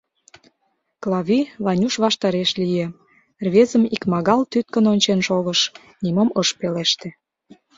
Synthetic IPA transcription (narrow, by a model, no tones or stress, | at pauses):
klɑβʲiβɑnʲuʃβɑʃt̪ɑɾeʃlijĕ | rβʲezəmikmɑɣɑlt̪yt̪̚kənonʲt͡ɕenʃoɣəʃ | nimoməʃpeleʃt̪ĕ